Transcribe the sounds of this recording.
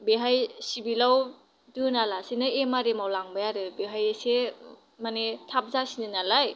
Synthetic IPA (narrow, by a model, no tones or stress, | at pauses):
beɦajsibilaw | dɯnalasinɯemaɾemawlaŋbajaɾɯbeɦajese | manetʰap̚zasinɯnalaj